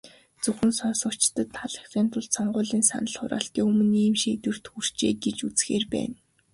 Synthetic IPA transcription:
t͡sɵxɘ̆nsɔnsɞ̆kt͡ɕt̪ə̆t̪ʰːaɮə̥̆xtiːnt̪ʰʊɮt̪sɔɴɢʊːɮiːnsa̰nə̆ɮχʊ̰ɾa̰ːɬt̪iːɵmɵ̆niːmʃiet̪wɘ̆r̥t̪xur̥t͡ɕeːɡet͡ɕut͡sxeːrpæ̰ːn

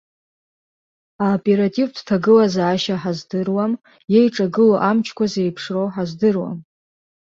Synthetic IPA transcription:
aopʼe̞ɾatʼivdtʰaɡɨlazaːʃaħazdɨrwam | jejʈ͡ʂʼaɡɨloʔamt͡ʃʰkʷazejpʰʂrowħazdɨrwa̰m

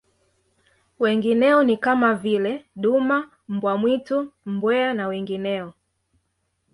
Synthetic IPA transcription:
wɛŋɡinɛɔnikamavilɛɗuma | m̩bwamwitum̩bwɛanawɛŋɡinɛɔ

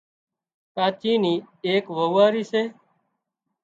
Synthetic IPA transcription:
kaːt͡ʃiːniːeːkʋəːaːɾiːseː

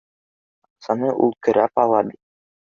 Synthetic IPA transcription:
ɑqsɑnɤʔulˠkɘ̆ɾæpɑlˠɑbit̪̚

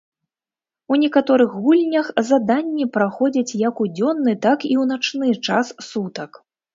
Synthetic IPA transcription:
unʲɛkat̪ɔɾɨxɣulʲnʲɐxzad̪anʲːipɾaxɔd͡zʲɐt͡sʲjɐkud͡zʲɔnːɨt̪akiwnat͡ʂnɨt͡ʂassut̪ɐk

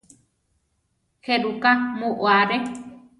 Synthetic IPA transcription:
heɾukamõʔwaɾe

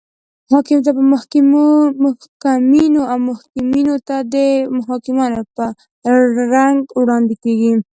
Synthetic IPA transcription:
hɑkɪmt̪̬apəmʊh | ʊhkaminoawmʊhkɪminot̪ad̪əmʊɦɑkɪmɑnopə | ɾaŋɡwɽɑnd̪ikeɡi

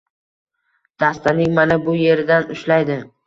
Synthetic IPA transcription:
d̪̥ast̪anɪŋmanabʊje̞ɾɪd̪anʊʃlajd̪ɪ

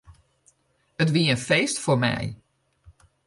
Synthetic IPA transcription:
ət̬ʋiəənfejstfoɹmɛ̰j

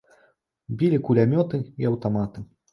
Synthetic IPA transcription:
bʲilʲikulʲamʲɔt̪ɨiawt̪amat̪ɨ

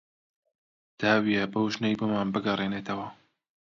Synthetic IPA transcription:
d̪̥aːwijɛbɐwʒnejboːmaːnbɨɡɐreːneːt̪ʰɐwɐ

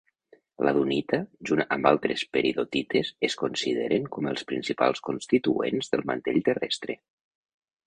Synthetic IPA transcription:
lʔaðunit̪əʒunambalˠt̪ɾespeɾiðot̪it̪ezeskonsiðeɾʔeŋkɔməlˠspɾinsipa̰lˠskonst̪it̪uḛnzðəlˠmant̪eʎt̪ərɛst̪ɾe

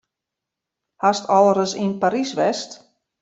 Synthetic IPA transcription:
hastɔlˠəɾəsinpaɾisʋɛst

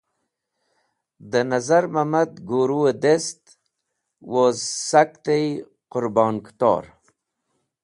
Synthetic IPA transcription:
d̪ənazaɾmamad̪ɡoːɾued̪est̪ | wozsakt̪ej | qʊɾbɑːnkt̪o̰ːɾ

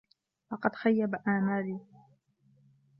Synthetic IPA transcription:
fɑqɑd̪xajːabaʔaːmaːliː

